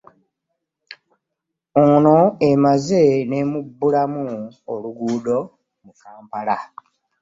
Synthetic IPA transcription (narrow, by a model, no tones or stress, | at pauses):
oːno̞emaze̞ne̞ːmubːulamuoluɡuːdo̞ | mukaːmpala